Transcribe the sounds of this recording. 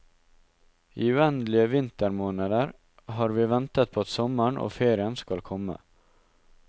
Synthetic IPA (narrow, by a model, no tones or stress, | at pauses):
iːʉːɛnd̪lɪəʋɪnt̪əɾmoːnəd̪əɾ | hɑːɾʋiːʋɛnt̪ət̪̚pʰoːɑt̪sɔməɳʔo̰ːfeːɾɪənskɑlkʰɔmə̰